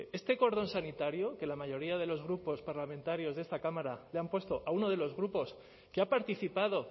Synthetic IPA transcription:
e̞st̪e̞ko̞ɾðo̞nsanit̪aɾjoke̞lamaʝo̞ɾiað̞e̞lo̞zɣɾupo̞spaɾlamẽnt̪aɾjo̞zðest̪akamaɾaleampwe̞st̪o̞ʔauno̞ðe̞lo̞zɣɾupo̞s | keapaɾt̪iθipað̞o̞

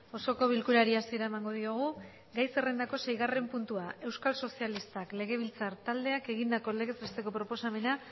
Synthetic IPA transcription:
o̞so̞ko̞β̞ilkuɾaɾiasieɾae̞maŋɡo̞ðioɣ̞u | ɡajse̞re̞nd̪ako̞se̞jɣ̞are̞mpunt̪uae̞wskalso̞sialist̪akle̞ɣ̞e̞β̞ilt͡saɾt̪ald̪e̞ake̞ɣind̪ako̞le̞ɣe̞sɾest̪e̞ko̞pɾo̞po̞same̞na

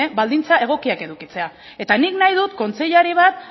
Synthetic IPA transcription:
eβald̪int͡sae̞ɣ̞o̞kiake̞ðukit͡se̞a | e̞t̪aniknajðut̪ko̞nt͡se̞ʎaɾiβ̞at̪

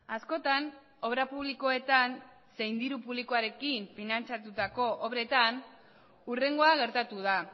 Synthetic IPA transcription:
asko̞t̪an | o̞βɾapuβliko̞e̞t̪an | se̞jnd̪iɾupuβlikoaɾe̞kiɱfinant͡sat̪ut̪ako̞ʔːβɾe̞t̪an | ure̞ŋɡo̞aɣ̞e̞ɾt̪at̪uð̞a

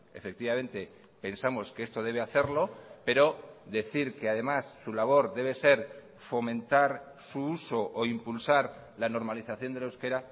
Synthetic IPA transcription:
e̞̰fe̞k̚t̪iβamẽ̞nt̪e̞ | pe̞nsamo̞skeest̪o̞ð̞e̞β̞e̞aθe̞ɾlo̞pe̞ɾo̞ðe̞θiɾke̞aðe̞masːulaβ̞o̞ɾðe̞β̞e̞se̞ɾ | fo̞mẽ̞nt̪aɾ | suuso̞ʔoimpulsaɾ | lano̞ɾmaliθaθjo̞nd̪elawske̞ɾa

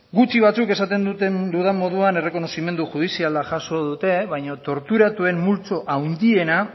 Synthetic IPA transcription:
ɡut͡ʃiβ̞at͡suke̞sat̪e̞nd̪ut̪end̪uðamo̞ð̞uane̞re̞ko̞no̞sime̞nd̪uxuð̞isialaʝaso̞ðut̪e̞βajɲot̪o̞ɾt̪uɾat̪ue̞mmult͡so̞ʔawnd̪ie̞na

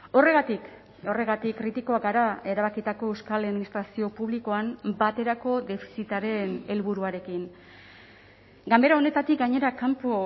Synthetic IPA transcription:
o̞re̞ɣ̞at̪ik | o̞re̞ɣat̪ikːrit̪iko̞aɡaɾae̞ɾaβ̞akit̪ako̞ewskalaðminist̪ɾasio̞puβliko̞ambat̪e̞ɾako̞d̪e̞fi̥sit̪aɾe̞ne̞lβuɾuaɾe̞kin | ɡambe̞ɾao̞ne̞t̪at̪ik̚ɡaɲe̞ɾakampo

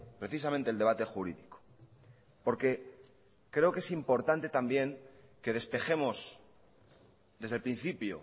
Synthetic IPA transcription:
pɾe̞θisamẽnt̪eld̪eβat̪e̞xuɾḭðiko̥ | po̞ɾke̞ | kɾe̞oke̞simpo̞ɾt̪ant̪e̞t̪ambjeŋke̞ð̞e̞spe̞xe̞mo̞s | d̪e̞zðelpɾin̟θipjo̰

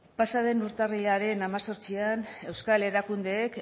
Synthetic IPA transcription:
pasaðe̞nuɾt̪ariʎaɾe̞namaso̞ɾt͡siane̞wskale̞ɾakund̪e̞ːk

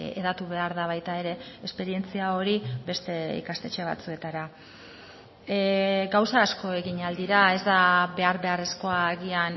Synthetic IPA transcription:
eðat̪uβe̞aɾðaβajt̪ae̞ɾe̞espe̞ɾie̞nt͡siao̞ɾibe̞st̪e̞ḭkast̪e̞t͡ʃe̞β̞a̰t͡sue̞t̪aɾa | ɡawsaːsko̞e̞ɣiɲald̪iɾae̞zd̪aβe̞aɾβe̞are̞sko̞aɣian

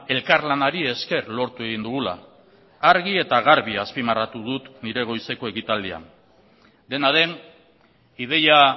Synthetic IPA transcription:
e̞lkaɾlanaɾie̞ske̞rlo̞ɾt̪ue̞ɣ̞ind̪uɣ̞ula̰ː | ɾɣie̞t̪aɣaɾβiaspimarat̪uð̞ut̪niɾe̞ɣ̞o̞jse̞ko̞e̞ɣit̪ald̪ia̰n | d̪e̞naðe̞n | ið̞e̞ja

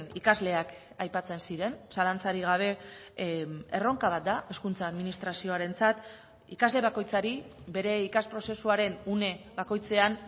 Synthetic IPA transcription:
nikazle̞ak | ajpat͡se̞nsiɾe̞nsalant͡saɾiɣ̞aβ̞e̞ | ero̞ŋkaβat̪̚d̪ae̞skunt͡saːðminist̪ɾasio̞aɾe̞nt͡sat̪ | ikazle̞β̞ako̞jt͡saɾibe̞ɾe̞ikaspɾo̞se̞suaɾe̞nune̞βako̞jt͡se̞an

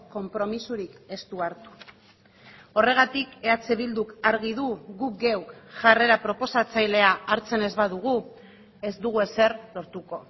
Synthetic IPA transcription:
ko̞mpɾo̞misuɾike̞st̪uaɾt̪u̥ | o̞re̞ɣ̞at̪ike̞at͡seβild̪ukaɾɣiðuɣuk̚ɡewkʝare̞ɾapɾo̞po̞sat͡sajle̞aːɾt͡se̞ne̞zβaðuɣu | e̞zd̪uɣue̞se̞rlo̞ɾt̪uko̞

